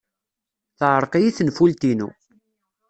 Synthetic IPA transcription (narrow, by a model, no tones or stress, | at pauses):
θʕəɾˤqijiθənfult̪inṵ